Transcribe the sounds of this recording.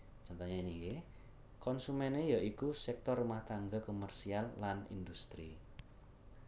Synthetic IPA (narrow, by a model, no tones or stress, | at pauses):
t͡ʃɔnt̪ɔɲainike | kɔnsumɛnejaʔikusɛk̚t̪ɔrumaht̪aŋɡakomərsialːanḭnd̪ust̪ɾi